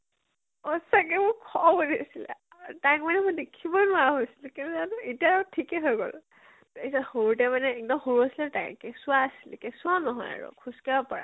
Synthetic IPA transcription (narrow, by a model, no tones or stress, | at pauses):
ɔsak̬ɛbʊkʰɔbodesilɛ̰ | takmanɛmʊ̃dekʰibɔnʊwaɦojsi̥lkɛnunanuetijautʰikɛɦojɡo̰l | teisahoɹut̬ɛmanɛːk̚dɔmhoɹuasilɛta̰j̰kɛsʊaːsilkɛsʊanɔɦɔ̰ja̰ɹʊ̰kʰuskaɔpɔɹa̰